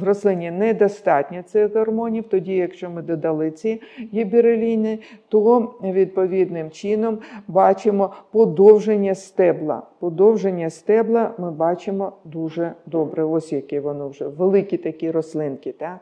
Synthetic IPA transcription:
rɔslˠɪnʲinɛd̪ɔst̪ɑtʲnʲɐt̪sɪɣɣɐrmɔnʲiwt̪ɔdʲijɐkʃt͡ʃɔmɪd̪ɔd̪ɐlˠɪt͡sʲijibʲiɾelʲinɪt̪ɔʋʲid̪̚pɔʋʲid̪nɪmt͡ʃinɔmbɑt͡ʃɪmɔpɔd̪ɔwʒenʲːɐst̪ɛblˠɐ̰pɔd̪ɔwʒenʲːɐst̪ɛblˠɐmɪbɑt͡ʃɪmɔd̪uʒɛd̪ɔbɾɛɔsʲjɐkɪʋɔnɔwʒɛʋelˠɪkʲit̪ɐkʲiɾɔslˠɪnkʲɪt̪ɑ

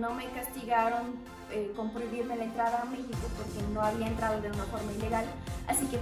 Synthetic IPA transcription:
nome̞kast̪iɣaɾon | eko̞mpɾoiβiɾmelaent̪ɾaðaːmexikopoɾkeno̞aβiaent̪ɾaðoðe̞unafo̞ɾmaile̞ɣala̰sike

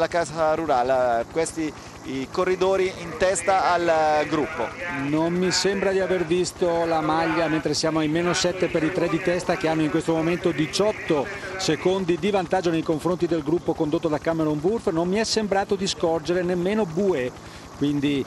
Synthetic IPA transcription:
lakaːsaɾuɾaːlekwest̪i | ikorːid̪oːɾiint̪ɛst̪aːlɡɾupːo̰nommisembɾad̪iavervist̪olamaʎːament̪ɾesjaːmoajmeːnosɛt̪ːepeɾit̪ɾed̪it̪ɛst̪ak̟eanːoiŋkwest̪omoment̪od̪it͡ʃɔt̪ːosekond̪id̪ivant̪ad͡ʒːonejkoɱfɾont̪id̪elɡɾupːokond̪ot̪ːod̪akːameɾumburfnomːiɛsːembɾaːt̪od̪iskɔrd͡ʒeɾenemːeːnobuːe | kwind̪i

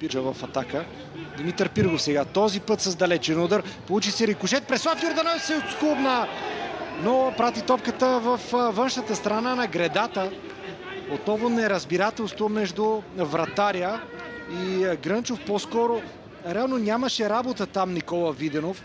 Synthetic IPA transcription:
piɾʒəvɐfɐt̪akə | d̪mit̪əɾpiɾɡofsɛɡat̪ɔzipɤt̪sɐzd̪ɐlɛt͡ʃɛnud̪əɾpolˠut͡ʃisɛɾikʊʃɛt̪̚pɾɛsɔft̪ʲoɾd̪ɐnɔsɛt̪skupnɐ | nopɾat̪it̪ɔpkət̪əvəfvɤnʃnət̪əst̪ɾɐnanɐɡɾɛd̪at̪ə | ot̪nɔvonɛɾɐzbiɾat̪ɛlˠst̪vomɛʒd̪ʊvɾɐt̪aɾijəiɡɾənt͡ʃofpɔskɔɾo | ɾɛalˠnonʲamɐʃɛɾabot̪ət̪amnikɔlˠəvid̪ɛnof

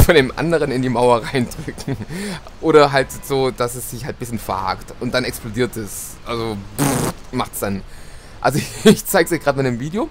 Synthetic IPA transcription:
fɔndeːmʔa̰ndəʁ̞ənɪndiːmaʊɐʁaɪndʁʏkŋ̩ | ʔoːɾɐɦaltz̥oːd̥asɛsz̥ɪçhalt̚b̥ɪsçənfɐha̰ːktʊnt̚d̥anɛksplodiːɐt̚d̥as | ʔalzobmaχtsd̥an | ʔa̰lzoçɪçt͡saɪɡz̥ɪçɡ̥ʁaːtmɪtnəmviːdeo

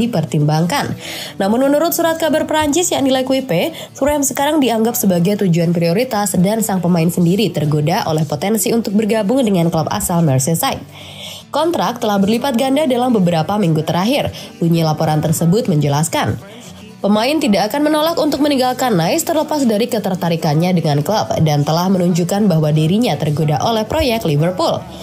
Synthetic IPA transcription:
ipərt̪imbaŋkanː | amʊnmənːuɾʊt̪suɾat̪̚kabarpəɾaɲt͡ʃɪsjaŋnilajkuipe | fɾɛmsəkaɾaŋdiaŋɡapsəbaɡajt̪ud͡ʒuanpɾioɾit̪asdansaŋpəmaɪnsəndiɾit̪ərɡodaʔo̰lɛhpot̪ɛnsiunt̪ʊk̚bərɡabʊŋdəŋanklapa̰salmɛrsesajt̪̚ | kɔnt̪ɾak̚t̪əlahbərlipat̪̚ɡandadalambəbəɾapamiŋɡut̪əɾaɦɪrduɲalapoɾant̪ərsəbʊt̪̚məɲd͡ʒəlaskan | pəmaɪnt̪idaːkanmənolakunt̪ʊk̚məniŋɡalkanːaɪst̪ərləpasdaɾikət̪ərt̪aɾikanɲadəŋankləb̚dant̪əlahmənuɲd͡ʒukanbaɦwadiɾiɲat̪ərɡodaʔolɛhpɾojɛk̚t̪livərpul

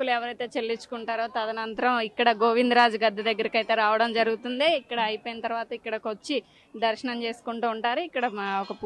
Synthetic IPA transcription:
kːuluɛʋɐɾɐjt̪e̞ːt͡ʃelːit͡ʃːu̥kuɳʈaːɾoːt̪ɐd̪ɐnɐnt̪ɐɾɐmikːɐɽɐɡo̞ːʋind̪ɾaːd͡ʒuɡɐd̪ːɐd̪ɐɡːɐɾɐkɐjt̪eɾaːʋɐɽɐmd͡ʒɐɾuɡut̪und̪eːikːɐɽɐːjpoːjinɐt̪ɐɾuʋaːt̪ɐikːɐɽɐkot͡ʃːi | d̪ɐɾʃɐnɐmt͡ʃe̞ːsu̥kuɳʈuːɳʈaːɾuikːɐɽɐɔkɐp

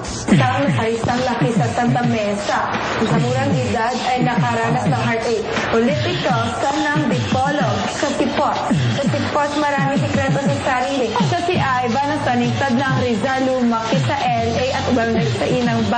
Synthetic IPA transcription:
sɐŋlɐpɐɾɪsɐŋlɐkɪsɐt̪ɐnt̪ɐmɛsɐ | ɐŋsɐmuːɾɐŋdɪd̪ad̪ʔɐjnɐkaɾaːnɐp̚nɐŋɦaɹɛj | polɪt̪ɪt̪osɐnɐŋd̪ɪpolo | kɐsɪpot̪sɐsɪposmɐɾaːmɪŋsɪkɾɛnt̪osɐsɐɾiːlɪsosɪʔajbɐnɐpɐnɪɡ̚t̪ɐd̪̚nɐŋɾɪzalumɐkɪsɐʔɛlʔɛjʔɐt̪ʊbɐŋlɐɡsɐʔinɐŋba

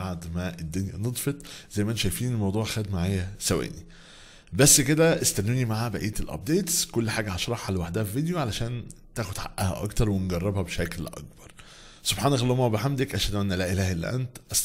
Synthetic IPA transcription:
aʕd̪mæʔed̪ːonjæ̰ned̪ˤfet̪ˤzæjːmæʔænʃæjfiːnnelmɑwd̪ˤuːʕxæːd̪maʕaːjæsæwæ̰ːni | bæsːked̪æʔest̪ænːuːnimaʕaːbæʔiːt̪elʔæ̰p̚d̪eːt̪skolːħaːɡæhɑʃɾˤɑħːalwaħd̪ææfived̪joʕalæʃæːnt̪æːxod̪ħa̰ʔʔæhæ̰ʔɑ̰kt̪ɑɾˤwenɡɑrˤːɑbhæbʃæklʔɑ̰k̚bɑɾˤ | sob̥ħaːnæklhomæwbeħamd̪ekʔæʃæd̪ʔænːælæʔelæːhelːḭʔæ̰nt̪ʔæs

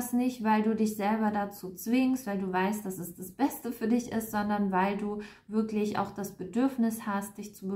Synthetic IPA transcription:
snɪçtv̥aɪlduːdɪçz̥ɛlbɐdat͡suːt͡sv̥ɪŋstv̥aɪlduːvaɪst̚d̥asɛsd̥asb̥ɛstəfyːɐdɪçʔɪ̰stz̥ɔndɐnvaɪlduːvɪɐklɪçʔa̰ʊxd̥asb̥ədʏɐfnɪshastd̥ɪçt͡subə

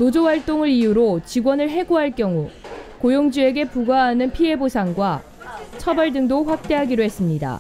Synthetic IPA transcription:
nod͡ʑowaɭt͈oŋɯɾijuɾot͡ɕiɡwʌnɯɭɦe̞ɡoɦaɭk͈jʌŋukojoŋd͡ʑue̞ɡe̞puɡaɦanɯnpʰie̞bosʰaŋɡwa | t͡ɕʰʌbʌɭdɯŋdoɸwak̚t͈e̞ɦaɡiɾoɦe̞s͈ɯmɲida̰

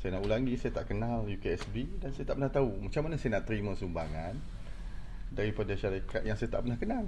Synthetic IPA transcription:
sajanaʔulaŋɡisajat̪aʔkənaljukeɛsbidansajat̪aʔpənaht̪aumat͡ʃaŋmanəsajanaʔt̪əɾimãsumbaŋan | daɾipadaʃaɾikat̪̚jaŋsajat̪a̰ʔpənahkənal

